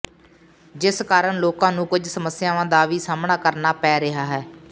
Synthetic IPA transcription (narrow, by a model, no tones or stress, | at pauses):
d͡ʒɪskaːɾəɳloːkãːnũːkʊd͡ʒʱsəməsɪjaːʋãːd̪aːʋiːsaːmɳaːkəɾnaːpɛːɾɪɦaːɦɛː